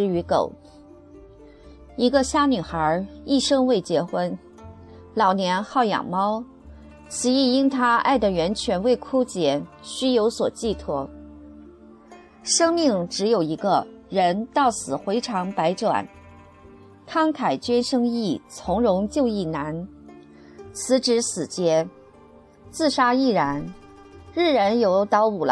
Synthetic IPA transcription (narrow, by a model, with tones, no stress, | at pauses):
ɻ̩˥y˧˥ko̰˨˩˦ʊ | i˧˥ɡə˧ɕja˥˩ny˨˩xə˞˧˥i˥˩ʂɤ˥ŋwe˥˩ɪt͡ɕjɛ˧˥xwə˥n | lɑ˨˩ʊnjɛ˧˥nxɑ˥˩ʊjɑ̰˨˩ŋmɑ˥ʊ | ɕi˧˥i˥˩i˥nt̪ʰa˥a̰˥˩ɪd̪ə˩ɥɛ˧˥nt͡ɕʰɥɛ˧˥nwe˥˧˩ɪkʰu˥t͡ɕjɛ˧˥ɕy˥jo˧˥ʊswɔ˨˩t͡ɕi˥˩t̪ʰwɔ˥ | ʂɤ˥ŋmi˥˩ŋʈ͡ʂɻ̩˧˥jo˨˩ʊi˧˥ɡə˧ɻə˧˥nt̪ɑ˥˩ʊsɹ̩˨˩xwe˧˥ɪʈ͡ʂʰɑ˧˥ŋpa˧˥ɪʈ͡ʂwa̰˨˩˦n | t̪ʰɑ˥ŋt̪ʰa˨˩ɪt͡ɕɥɛ˥nʂɤ˥ŋi˥˩t͡sʰʊ˧˥ŋɻʊ˧˥ŋt͡ɕjo˥˧ʊi˥˩na˧˥n | t͡sʰɹ̩˧˥ʈ͡ʂɻ̩˧˥sɹ̩˨˩t͡ɕjɛ˧˥ | t͡sɹ̩˥˩ʂa˥i˥˩ɻa˧˥n | ɻ̩˥˩ɻə˧˥njo˧˥ʊt̪ɑ˧˥ʊu˨˩l